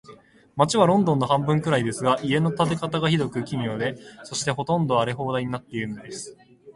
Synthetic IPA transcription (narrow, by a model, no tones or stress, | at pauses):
mat͡ɕiβaɾõ̞nd̪õ̞nːo̞ɦãmbɯ̟̃ŋkɯ̟ɾaid̪e̞sɨɡaʔie̞no̞t̪at̪̬e̞kat̪aɡaçid̪o̞kɯ̟kʲimʲiod̪e̞so̞ɕi̥t̪e̞ɦo̞t̪õ̞nd̪o̞aɾe̞ɦo̞ːd̪aiɲ̟inat̪ːe̞iɾɯ̟nod̪e̞sɨ̥